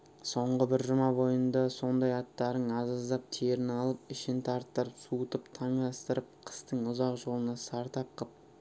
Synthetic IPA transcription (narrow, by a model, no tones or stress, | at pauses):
so̞ɴʁəbɪɾʒʊmɑbo̞jənd̪ɑso̞nd̪ɑjɑt̪ːɑɾəɴɑzɑzd̪ɑp̚t̪ʰeɾɪnɑlˠəpɪʃɪnt̪ʰɑɾt̪ːəɾəpsut̪əpt̪ʰɑɴd̪ɑst̪əɾəp̚qʰə̥st̪əɴʊzɑqʒo̞lˠənɑsɑɾt̪ɑp̚qʰəp̚